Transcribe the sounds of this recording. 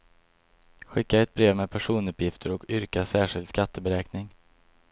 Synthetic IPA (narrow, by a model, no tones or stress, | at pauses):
ɧɪkːaɛt̪̚bɾeːvmɛpʰæʂuːnɵpjɪft̪ʰəɾɔkʏɾkasæːʂɪld̪skat̪ʰːəbɛɾɛːknɪŋ